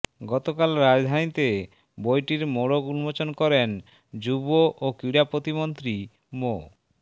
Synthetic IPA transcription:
ɡɔt̪okalɾad͡ʑd̪ʱanit̪e | bojʈiɾmoɽoɡunmot͡ɕonkɔɾen | d͡ʒuboʔokiɽapɾot̪imont̪ɾi | mo

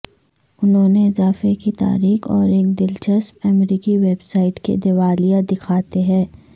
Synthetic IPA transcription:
ʊnɦõːneɪzaːfekit̪a̰ːɾiːxɔːɾeːk̚d̪ɪlt͡ʃɐsmɐmɾiːkiʋeːbsaːɪʈkḛd̪eʋaːlijad̪ɪkʰaːt̪eɦɛ̃ː

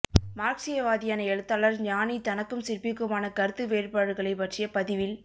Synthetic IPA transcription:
maːɾksɪjɐʋaːðɪjaːnɐɛɻɯt̪ːaːlɐɾɲaːnit̪ɐnɐkːɯmsɪrpɪkːɯmaːnɐkɐɾɯt̪ːɯʋeːrpaːɽɯɣɐɭɐɪpɐʈrɪjɐpɐðɪʋɪl

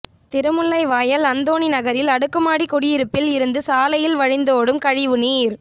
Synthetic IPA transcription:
t̪ɪɾɯmɯɭːɐɪʋaːjɐlɐnd̪oːɳinɐɣɐɾɪlɐɽɯkːɐmaːɽikɔɽɪjɪɾɯpːɪlɪɾɯnd̪ɯsaːlɐjɪlʋɐɻɪnd̪oːɽɯmkɐɻɪʋɯniːɾ

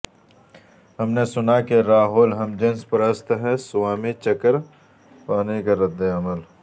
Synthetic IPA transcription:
hɐmnesʊnakeɾaːɦoːlɦɐmd͡ʒenspɐɾəst̪ɦɛ̃sʊwaːmet͡ʃɐkəɾ | paːnekaɾɐd̪ːeɐməl

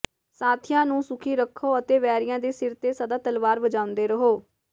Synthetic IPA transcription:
saːt̪ʰɪjãːnũːsʊkʰiːɾəkʰːoːət̪eːʋɛːɾɪjãːd̪eːsɪɾt̪eːsəd̪aːt̪əlʋaːɾʋəd͡ʒaːʊ̃nd̪eːɾəɦoː

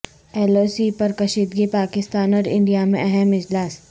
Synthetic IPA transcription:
ɛːloːsipɐɾkɐʃiːd̪ɡipaːkɪst̪aːnɔːɾɪ̰̃ɳɖijamḛ̃ɛɦɛmɪd͡ʒlaːs

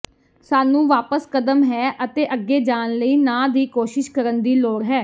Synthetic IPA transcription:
saːnũːʋaːpəskəd̪əmɦɛːʔət̪eːʔəɡːeːd͡ʒaːnləiːnãːd̪iːkoːʃɪʃkəɾənd̪iːloːɽɦɛː

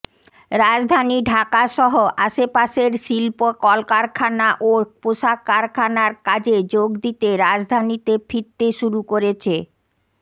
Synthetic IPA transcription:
ɾad͡ʑd̪ʱaniɖʱakaʃɔɦoʔaʃepaʃeɾʃilpokɔlkaɾkʰanaʔopoʃakaɾkʰanaɾkad͡ʑed͡ʑoɡd̪it̪eɾad͡ʑd̪ʱanit̪efiɾt̪ːeʃuɾukoɾet͡ɕʰe

